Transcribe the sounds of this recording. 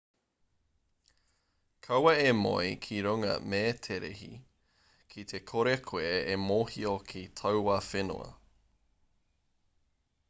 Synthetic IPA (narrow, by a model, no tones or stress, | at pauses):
kʰɐwɐemo̰jkʰiɾoŋɐ̰meːtʰeɾḛhḭ | kʰit̪ʰekʰoɾekʰoeemoːhiokʰitʰɐwwafeno̰ɐ̰